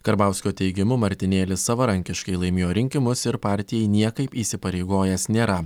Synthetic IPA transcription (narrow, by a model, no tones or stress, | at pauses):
kɐɾbɑˑʊsʲkʲoːt̪ʲɛɪɡʲɪmʊmɐɾʲt̪ʲɪnʲeːlʲɪsːɐʋɐɾɐŋʲkʲɪʃkɐɪlˠɐɪmʲɪːjoːɾʲɪŋʲkʲɪmʊsɪɾpɑːˑɾʲt̪ʲɪjɛɪnʲiɛkɐɪpiːsʲɪpɐɾʲɛɪɡoːjɛsnʲeːɾɐ